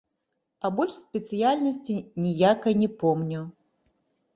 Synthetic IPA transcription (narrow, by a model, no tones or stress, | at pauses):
ɐbɔlʲʂsʲpʲɛt̪sɨjalʲnɐsʲt͡sʲinʲijakɐjnʲɛpɔmnʲu